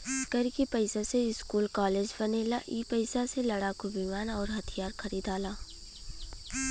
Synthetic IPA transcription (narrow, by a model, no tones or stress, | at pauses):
kəɾkipəɪsaseɪskuːlkaːleːd͡ʒbɐneːlaʔiːpəɪsaselɐɽakobimaːnɔːɾɦɐt̪ʰijaːɾxɐɾiːd̪aːlaː